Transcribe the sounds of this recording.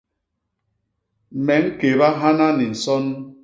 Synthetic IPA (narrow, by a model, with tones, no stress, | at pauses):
mɛ˨˦ŋ̩˦ke˨βa˦ɦa˦na˦ni˨n̩˨sɔ˦n